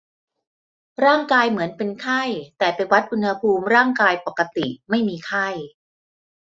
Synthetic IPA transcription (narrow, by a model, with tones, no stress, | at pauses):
ɾaː˥˩ŋkaː˧jmɯ˩˦ənpe˧nkʰa˥˩jt̪ɛː˨˩pa˧nwa˦˥t̪̚ʔu˧nha˧pʰuː˧mɾaː˥˩ŋkaː˧jpa˨˩kːa˧t̪i˨˩ma˥˩jmiː˧kʰa˥˩j